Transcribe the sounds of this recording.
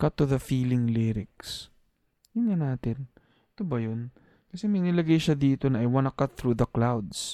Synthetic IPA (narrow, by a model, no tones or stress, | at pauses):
kɐt̪ːuðɐfiːlɪŋlɪɾɪk̚s | jʊnŋɐnaːt̪ɪn | ɪt̪obɐjon | kɐsɛmɐjnɪlɐɡɐjʃɐd̪iːt̪o̞nɐʔɐjwɐnɐkɐt̪̚θɾuːðɐklawd̪s